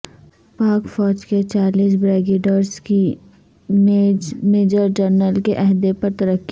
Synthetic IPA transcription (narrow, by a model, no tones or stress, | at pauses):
paːkfɔːd͡ʒket͡ʃaːliːs̬bɾɛːɡeːɖəɾski | meːd͡ʒəɾd͡ʒəɾnəlkeʔɐɦd̪epɐɾt̪ɐɾəkːi